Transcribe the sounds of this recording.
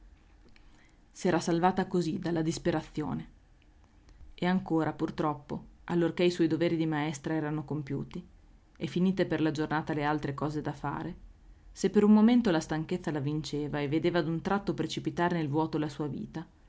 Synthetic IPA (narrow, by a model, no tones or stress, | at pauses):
sɛːɾasalvaːt̪akozid̪alːad̪ispeɾat̪sːjo̰ːne | eaŋkoːɾʔapurt̪ɾɔpːoalːorkeiswɔjd̪oveːɾid̪imaɛst̪ɾaɛːɾanokompjṵːt̪i | efiniːt̪eperlad͡ʒornaːt̪alealt̪ɾekɔːzed̪afa̰ːɾesepːeɾummoment̪olast̪aŋket̪sːalavint͡ʃeːvaevːed̪eːvad̪unt̪ɾat̪ːopɾet͡ʃipit̪aːɾenelvwɔːt̪oelasuːavḭːt̪a